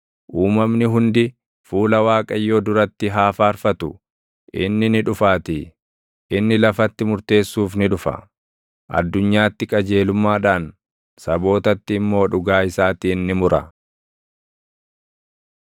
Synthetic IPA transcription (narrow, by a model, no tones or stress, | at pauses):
ʔuːmɐmnɪɦʊnd̪ɪ | fuːlɐwaːkʼɐjːoːd̪ʊɾɐt̪ːɪɦaːfaːɾfɐt̪ʊ | ʔɪ̰nːɪnɪᶑʊfaːt̪ɪ | ʔɪnːɪlɐfɐt̪ːɪmʊɾt̪e̞ːsːuːfnɪᶑʊfɐ̰ | ʔɐ̰d̪ːʊɲːaːt̪ːɪkʼɐd͡ʒe̞ːlʊmːaːᶑaːn | sɐbo̞ːt̪ɐt̪ːɪːmːo̞ːᶑʊɡaːɪsaːt̪iːnːɪmʊɾɐ̰